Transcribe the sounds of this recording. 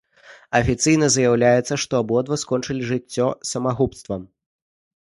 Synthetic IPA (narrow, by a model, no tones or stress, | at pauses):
ɐfʲit̪sɨjnɐzjawlʲajɛt̪sɐʂt̪ɔabɔd̪vɐskɔnt͡ʂɨlʲiʐɨt͡st͡sʲːɔsɐmaɣupst̪vɐm